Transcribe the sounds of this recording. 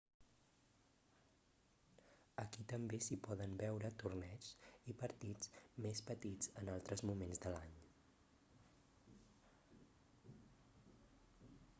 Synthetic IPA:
əkit̪əmbesipɔðənbɛwɾət̪urnɛt͡ʃipəɾt̪id͡zmespət̪id͡zənalˠt̪ɾəzmumenzðəlaɲ

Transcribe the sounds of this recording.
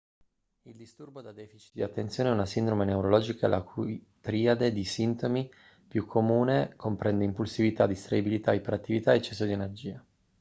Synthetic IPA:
ild̪ist̪urbod̪ad̪ɛːfit͡ʃi̥d̪iat̪ːent̪sjoːneɛunasind̪ɾomeneuɾolɔːd͡ʒikaḛlʔakʰuj | t̪ɾiːad̪ed̪isint̪omi | pjukʰːomuːnekompɾɛnd̪eimpulsivit̪ad̪ist̪ɾaibilit̪aipeɾat̪ːivit̪aet͡ʃːɛsːod̪ienerd͡ʒiːa

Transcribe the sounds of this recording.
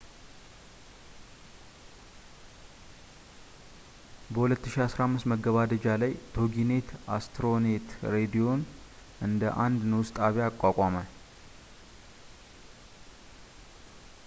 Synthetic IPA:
bəhulət̪ːɨʃiasɾamːɨst̪məɡəβad̪əd͡ʒalajt̪ʰo̞ɡine̞t̪ʰast̪ʰɾone̞t̪ɾe̞d̪io̞n | ʔɨnd̪əʔand̪nəwʊst̪ʼaβjaːkʼːakʷʼamə

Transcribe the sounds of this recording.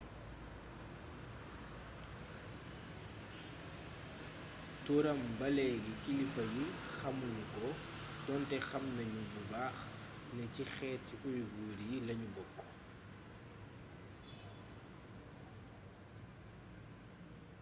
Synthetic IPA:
tuɾɐmbɐlɛɡikilifɐjixɐmunukɔ | dɔntɛxɐmnɐɲububaːx | nɛcixɛːtujɡuːɾijilɐɲubɔkːɔ̥

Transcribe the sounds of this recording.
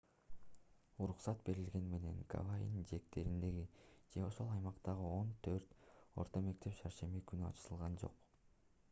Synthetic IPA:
uɾuqsɑt̪be̞ɾilɡe̞nme̞ne̞̰ŋka̰vajḭnd͡ʒe̞k̚t̪e̞ɾind̪e̞ɡid͡ʒe̞o̞ʃo̞lˠɑjmɑqt̪ɑʁɯo̞nt̪ʰø̞ɾt̪o̞̰ɾt̪o̞me̞k̚t̪ʰe̞pʃɑɾʃe̞mikynyɑ̰t͡ʃɯt̪ɯlˠʁɑnd͡ʒo̞̰q

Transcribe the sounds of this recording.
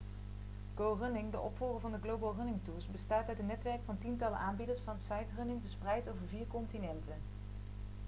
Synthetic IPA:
ɡ̥owrɵnɪŋdəʔɔpfuːrəvɑndəɡlowbalˠrɵnɪŋtuːɹsbəstaːtœtənːɛtʋɛɹkfɑntintɑlə̰ʔaːnbidəɹsfɑnsɑjtrɵnɪŋvəsprɛjtowvəɹviːɹkɔntinɛntən

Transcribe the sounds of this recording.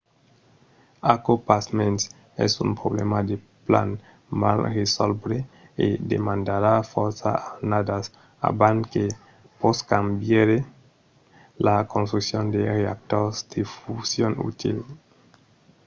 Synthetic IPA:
akopasmens | ɛ̰sṵmpɾoβlemad̪e | pla̰n | ma̰lresolbɾeḛd̪ḛmãnd̪aɾafoɾsa̰aɾnadas | a̰baŋke | poskambjeɾe | lakonst̪ɾuksjond̪ereak̚t̪oɾzd̪̥efusjonṵt̪il

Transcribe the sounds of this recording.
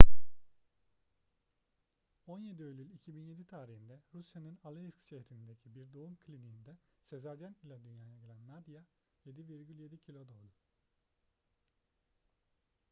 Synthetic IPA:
o̞nje̞d̪iølʲylʲicʰibinje̞d̪it̪ʰaːɾihind̪ɛɾusjanɯnalˠeiskt͡ʃʰehɾimind̪e̞cʰibiɾd̪o̞umkʰlʲiniːnd̪ɛse̞zæɾd̪ænilʲad̪ynjaːj̪aɟilʲænmad̪ja | je̞d̪iviɾɟylʲje̞d̪icʰilʲo̞d̪alˠd̪u

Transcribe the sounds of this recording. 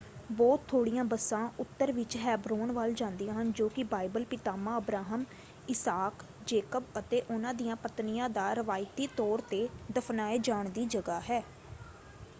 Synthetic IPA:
bɔːt̪̚t̪ʰːoːɽijãːbəsãːʊt̪ːəɾʋɪt͡ʃɦɛːbɾoːnʋaːld͡ʒãːnd̪ijãːɦənd͡ʒoːkɪbaːɪbəlpɪt̪aːmãːəbɾaːɦəm | ɪsaːk | d͡ʒeːkəbət̪eːʔʊnãːd̪ijãːpət̪nɪjãːd̪aːɾəʋaːɪt̪iːt̪ɔːɾt̪eːd̪əpʰnaːeːd͡ʒaːɳd̪iːd͡ʒəɡaːɦɛː

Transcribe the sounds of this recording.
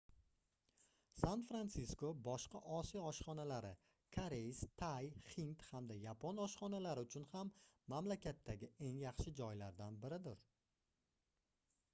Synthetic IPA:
sanfɾant̪siskobɒʃqɑʔɒsijaɒʃχɒnalaɾɪ | kʰaɾejst̪ʰajχint̪hamd̪ajapʰonɒʃχɒnalaɾɪʊt͡ʃʰʊnhamːamlakʲat̪ʰːaɡʲɪʔe̞ŋjaχʃɪd͡ʒɒjlaɾd̪anbɪɾɪd̪ɪɾ

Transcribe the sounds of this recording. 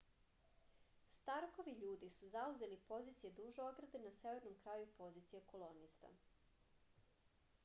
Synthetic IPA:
st̪aɾko̞ʋiʎuːd̪isuzauze̞lipo̞ziːt̪sijed̪uʒooɡɾad̪enaseʋe̞ɾno̞mkɾaːjupo̞ziːt̪sijeko̞lˠo̞nist̪a̰

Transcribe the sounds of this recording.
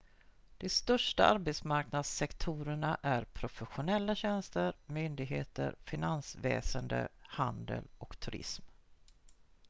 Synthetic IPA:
d̪̥ɛst̪œʂʈaʔaɾbɛt̪smaɾknad̪sɛkt̪ʰuːɾəɳaʔæɾpʰɾʊfɛɧʊnɛlːaɕɛnst̪əɾmʏnd̪ɪɡɦeːt̪ə̰ɾfɪnansvɛ̰ːsənd̪ə̰hand̪ə̰lɔkt̪ʰʉɾɪ̰sm

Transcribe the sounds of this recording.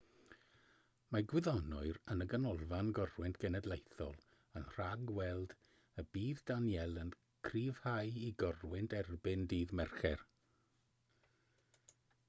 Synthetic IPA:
maɡwɪðɔnɔɨɾənəɡənɔlˠvanɡɔrwɪntʰɡ̥ɛnɛdlˠejθɔlˠ | ənr̥aɡwɛlˠd̥ | əbiːðdanjɛlˠən | kʰriːv̥hajiɡɔrwɪntʰɛrbɪndiːðmɛrχɛr

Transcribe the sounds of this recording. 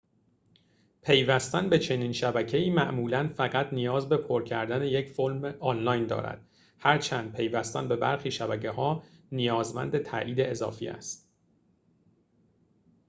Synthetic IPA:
pʰe̞jvæst̪ænbe̞t͡ʃʰe̞niːnʃæbæcʰe̞iːmæʔmuːlænfæɣæt̪ʰnijɒːzbe̞pʰoɾcʰæɾd̪æneje̞cfolmeɒːnlɒjnd̪ɒ̰ːɾæ̰d̪̥ | hæɾt͡ʃʰænd̪̚pʰe̞jvæst̪ænbe̞bæ̰ɾxiːʃæbæcʰe̞hɒːnijɒːzmæ̰nd̪e̞t̪ʰæ̰ʔiːd̪e̞ezɒ̰ːfḭːʔæ̰st̪̚

